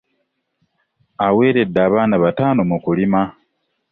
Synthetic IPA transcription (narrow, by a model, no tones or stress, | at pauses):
awe̞ːɾe̞dːaːβaːnaβataːnomukulima